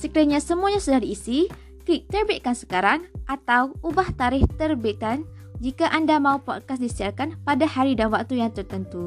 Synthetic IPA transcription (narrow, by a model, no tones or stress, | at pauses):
səkɾaɲãsəmũaɲãsudaɾiːsi | klik̚t̪ərbiʔ̪̚kansə̥kaɾaŋʔat̪awubaht̪aɾɪht̪ərbit̪an | d͡ʒikaʔandamãupɔt̪̚kasdisiarkanpadahaɾidanwak̚t̪ujaŋt̪ərt̪ənt̪u